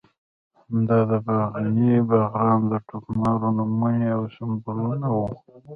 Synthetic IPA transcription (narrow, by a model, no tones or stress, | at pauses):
md̪ɑd̪əbaɣanibaɣɾɑnd̪əʈukmɑɾonamuniawsʊmbuɾunawu